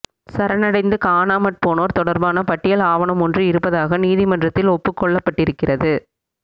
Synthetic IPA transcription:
sɐɾɐnɐɽɐɪnd̪ɯkaːnaːmɐʈ̚poːnoːɾt̪ɔɽɐɾbaːnɐpɐʈːɪjɐlaːʋɐnɯmɔndrɯɪɾɯpːɐðaːɣɐniːðɪmɐndrɐt̪ːɪlɔpːɯkːɔɭːɐpːɐʈːɪɾɯkːɪrɐðɯ

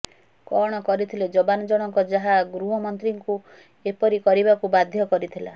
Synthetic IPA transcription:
kɔɽ̃ɔkɔɾit̪ʰiled͡ʒɔbanɔd͡ʒɔɽ̃ɔŋkɔd͡ʒaɦaɡɾuɦɔmɔnt̪ɾiŋku | epɔɾikɔɾibakubad̪ʱjɔkɔɾit̪ʰila̰

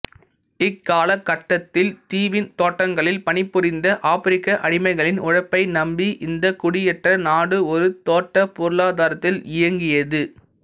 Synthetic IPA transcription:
ɪkːaːlɐkːɐʈːɐt̪ːɪlt̪iːʋɪnt̪oːʈːɐŋɡɐɭɪlpɐnɪpːɯɾɪnd̪ɐʔaːfɪɾɪkːɐʔɐɽɪmɐɪɣɐɭɪnʊɻɐpːɐɪnɐmbiʔɪnd̪ɐkʊɽɪjɛʈrɐnaːɽɯɔɾɯt̪oːʈːɐpʊɾɯɭaːðaːɾɐt̪ːɪlɪjɐŋɡɪjɐðɯ

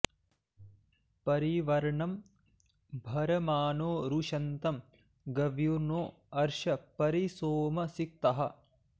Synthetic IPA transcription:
pɐɾiʋɐɾɐɳɐm | bʱɐɾɐmaːnoːɾuʂɐnt̪ɐm | ɡɐʋjuɾnoː | ɐɾʃɐpɐɾisoːmɐsik̚t̪ɐɦɐ̆

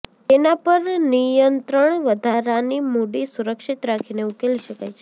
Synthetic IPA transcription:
t̪enapəɾnijənt̪ɾəɳ̃ʋəd̪ʱaɾanimoɽisuɾəkʃit̪ɾakʰineukeliʃəkajt͡ʃʰe

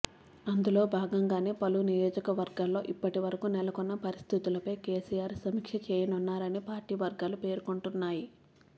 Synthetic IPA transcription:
ɐnd̪ulo̞ːbʱaːɡɐŋɡaːne̞ːpɐlunijoːd͡ʒɐkɐʋɐɾɡaːllo̞ːʔipːɐʈiʋɐɾɐkunɛlɐkunːɐpɐɾist̪ʰit̪ulɐpɐjkeːsiːjaːɾsɐmiːkʂɐt͡ʃɛːjɐnunːaːɾɐniːpaːɾʈiːʋɐɾɡaːlupe̞ːɾukuɳʈunːaːji

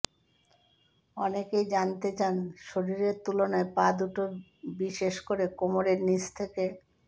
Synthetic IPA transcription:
ɔnekejd͡ʑant̪et͡ɕanʃoɾiɾeɾt̪ulonaepad̪uʈobiʃeʃkoɾekomoɾeɾnit͡ɕt̪ʰeke

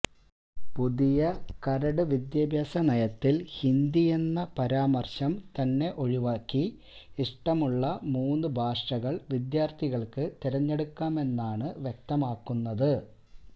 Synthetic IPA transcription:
puðijɐkɐɾɐɽɨʋid̪jɐbʱjɐsɐnɐjɐt̪ːilhind̪ije̞nːɐpɐɾaːmɐrɕɐmt̪ɐnːe̞ʔo̞ɻiʋaːkːi | iʂʈɐmuɭːɐmuːnːɨbʱaːʂʈɐɣɐɭʋid̪jaːrt̪ʰiɣɐɭkɨt̪iɾɐɲːe̞ɽukːaːme̞nːaːɳɨʋje̞k̚t̪ɐmaːkːunːɐðɨ

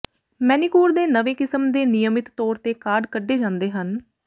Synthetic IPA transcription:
mɛːnikuːɾd̪eːnəʋeːkɪsəmd̪eːnɪjəmɪt̪ːɔːɾt̪eːkaːɖkəɖːeːd͡ʒãːnd̪eːɦən

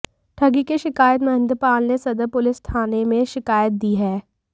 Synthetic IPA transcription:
ʈʰɐɡikeʃɪkaːjət̪mɐɦɪ̃nd̪ɾəpaːlnesɐd̪əpʊlɪsʈ̪ʰaːnemẽʃɪkaːjət̪̚d̪iːɦɛː

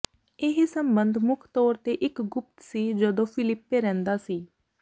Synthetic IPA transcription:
eɦisəmbənd̪ʱmʊkʰt̪ɔːɾt̪eːʔɪkɡʊp̚t̪siːd͡ʒəd̪õːpʰɪlɪpːeːɾɛ̃ːnd̪aːsiː

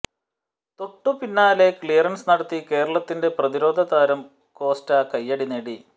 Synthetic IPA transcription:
t̪oʈːupinːaːle̞kɭijɐrɐnsnɐɽɐt̪ːike̞ːɾɐɭɐt̪ːinde̞prɐðiɾo̞ːd̪ʱɐðaːɾɐm | ko̞ːstɐkɐjːɐɽineɽi

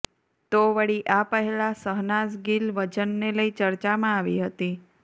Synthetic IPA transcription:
t̪oʋəɽiʔapəɦɛlasəɦnasɡilʋəd͡ʒənːeləit͡ʃəɾt͡ʃamãaʋḭɦət̪i

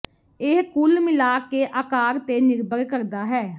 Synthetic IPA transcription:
ɪɦkʊlmɪlaːkeːʔaːkaːɾt̪eːnɪɾbəɾkəɾd̪aːɦɛː

